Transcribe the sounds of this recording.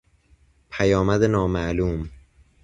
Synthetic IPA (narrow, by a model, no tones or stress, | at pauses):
pʰæjɒːmæd̪enɒːmæʔluːm